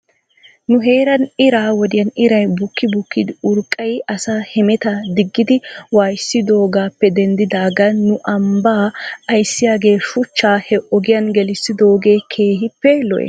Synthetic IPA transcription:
nʊɦe̞ːɾɐnɪɾaːwɔd̪ɪjɐnɪɾɐjbʊkːɪbʊkːɪd̪ɪʊɾkʼːɐjɐsaːhɛmɛt̪ɐd̪ɪɡːɪd̪ɪwaːjsːɪd̪o̞ːɡaːpːɛd̪ɛnd̪ɪd̪aːɡɐnʊʔɐmbaːɐjsːɪjaːɡe̞ːʃʊt͡ʃːaːhɛʔɔɡɪjɐnɡɛlɪsːɪd̪o̞ːɡe̞ːkʰe̞ːɦɪpːɛlɔ̰ʔɛ̰

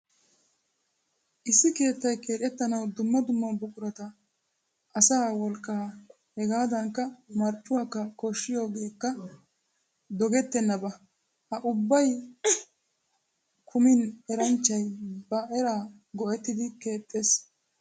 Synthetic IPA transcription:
ʔɪsːɪke̞ːt̪ːɐjke̞ːᶑɛt̪ːɐnɐwd̪ʊmːɐd̪ʊmːɐnbʊkʼʊɾɐt̪ɐ | ʔɐsaːwɔlkʼːɐ | hɛɡaːd̪ɐŋkːɐmɐɾt͡ʃʼːʊwaːkːɐkoʃːɪjo̞ːɡe̞ːkːɐ | d̪ɔɡɛt̪ːɛnːɐbɐ | hɐʔʊbːɐj | kʰʊmɪnɛɾɐnt͡ʃːɐjbɐʔɛɾaː | ɡɔʔɛt̪ːɪd̪ɪke̞ːt̪ʼːe̞ːs

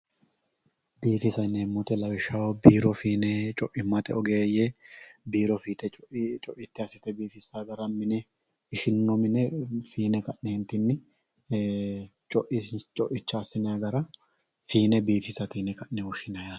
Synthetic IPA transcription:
biːfɪsɐneːmːʊt̪ɛlɐwɪʃːawɔbiːɾɔfiːnɛt͡ʃʼɔʔɪmːɐt̪ɛɔɡeːjebiːɾɔfiːt̪ɛʔt͡ʃʼɔʔɪt̪ːɪɐsɪt̪ɛbiːfɪsaɡɐɾɐmɪnɛ | ɪʃɪnːɔmɪnɛfiːnɛkɐʔnɛhɪnt̪ɪnːɪ | t͡ʃʼɔʔɪt͡ʃʼɔʔɪt͡ʃːaːsɪnɐjaɡɐɾɐ | fiːnɛbiːfɪsɐt̪inɛkɐʔnɛwɔʃɪnɐja

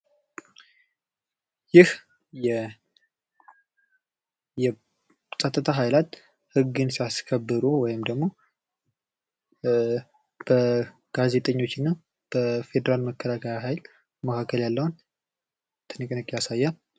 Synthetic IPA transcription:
jɪh | jɛ | jɛ | sʼət̪ʼːɨt̪ʰaɦajlat̪ | hɨɡːɨnsijaskʰəbːɨɾuwɔjɪmd̪əɡmo̞ | b̥ə | ɡ̥aze̞t̪ʼəɲːo̞t͡ʃːɪnːɨ | b̥əfe̞d̪əɾalməkʰːəlakʰəjaɦajl | məkʰakʰːəljalːəwun | t̪ʰɨnɨkʼnɨkʼjasajːa

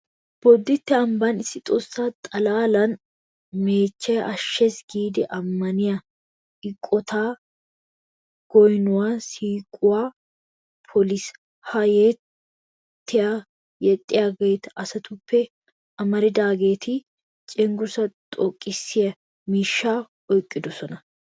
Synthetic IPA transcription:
b̥ɔd̪ːɪt̪ːɛɐmbɐnɪsːɪt̪ʼɔsːaːt̪ʼɐlaːlɐn | me̞ːt͡ʃːɐjʔɐʃːɛsɡiːd̪ɛʔɐmːɐnɪjɐ | ʔɪkʼːɔt̪ʰaː | ɡ̥ɔjnʊwaːsiːkʼʊwaː | pʰɔlis | hɐjɛ | t̪ːɪja | jɛt̪ʼːɪjaɡɛjt̪ɐsɐt̪ʊpːɛ | ʔɐmɐɾɪd̪aːɡe̞ːt̪ʰɪ | t͡ʃʼɛŋɡʊsɐt̪ʼɔkʼːɪsːɪjɐ | miːʃːaː | ɔjkʼːɪd̪ɔsɔnɐ

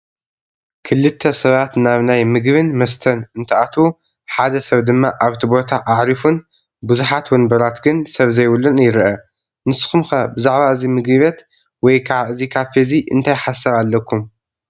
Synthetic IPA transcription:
kʰɨlːɨt̪ʰːɐsɐβat̪naβnajmɨɡβɨnmɐst̪ʰɐnɨnt̪ʰɐʔat̪ʰu | ħad̪ɐsɐβd̪ɨmːaʔaβt̪ʰibo̞t̪ʰaʔaʕɾifun | buzuħat̪wɔnbɐɾat̪ɡɨnsɐβzɐjwʊlːunjɪɾʔɐ | nɨsɨ̥xumxɐbɨzaʕβaɨzimɨɡɨβet̪ | wɔjkʰaβʔɨzikʰafeziʔɨ̰nt̪ʰajħasːɐɾalːɐkʰːum

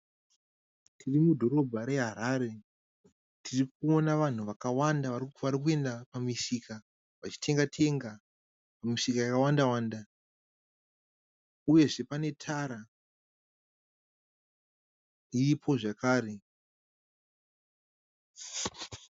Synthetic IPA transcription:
tʰirimudʱo̞ɾo̞bʱaɾe̞ɦaɾaːɾe̞ | tʰirik̚uo̞naʋan̤uʋakawandaʋarʋaɾik̬ue̞ndapamiʂika | ʋat͡ʃi̥tʰe̞ŋɡatʰe̞ŋɡa | pamiʂikajakawandawaːnda | uje̞ʐe̞pane̞tʰaːɾa | iipʰo̞ʐakaːɾe̞

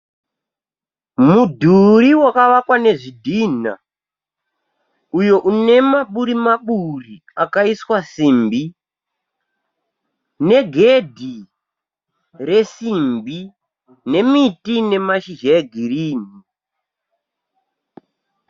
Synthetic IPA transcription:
mudʱuɾiwakaʋakwane̞ʐidʱina̰ | ujo̞ʔune̞maɓuɾimaɓuri | akaiswasiːmbi | ne̞ɡʱe̞dʱi | re̞simbi | ne̞mitine̞maʃiʒaɡʱiriːni

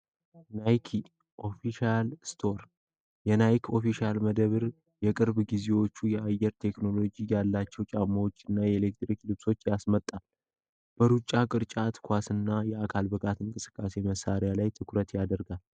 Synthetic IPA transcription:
najkʰi | ʔo̞fiʃalst̪ʰo̞ɾ | jɛnajkʰo̞fiʃalməd̪əβɨɾ | jɛkʼɨɾbɡize̞wo̞t͡ʃːujɛajɛɾt̪ʰe̞kno̞lo̞d͡ʒijalːat͡ʃːɛwt͡ʃʼamːawot͡ʃːɨnːajɛelekt̪ɾiklɨβso̞t͡ʃːjasmət̪ʼːal | b̥əɾut͡ʃʼːakʼɨɾt͡ʃʼat̪kʰʷasɨnːajɛakʰalbɨɡat̪ɨŋkʼɨsɨ̥kʼːase̞məsaɾɪjalajt̪ʰɨkʰɾət̪jad̪əɾɡal

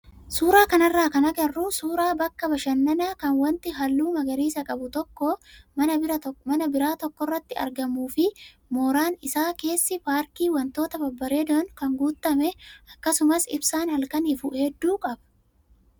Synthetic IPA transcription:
suːɾaːkɐnɐrːaːkɐnɐɡɐrːusuːɾaːbɐkːɐbɐʃɐnːɐnakɐnwɐnt̪ɪɦɐlːuːmɐɡɐɾiːsɐkʼɐbʊt̪ɔkːoːmɐnɐbɪɾɐtmɐnɐbɪɾaːt̪ɔkːɔrːɐt̪ːɪɐ̰ɾɡɐmuːfɪ | moːɾaːnɪsaːke̞ːsːɪpaːɾkiːwɐnt̪o̞ːt̪ɐbɐbːɐɾeːd̪ɔnkɐŋɡuːt̪ːɐmɛʔɐkːɐsʊmɐsɪbsaːnhɐlkɐniːfʊhɛd̪ːuːkʼɐb̥ɐ̥

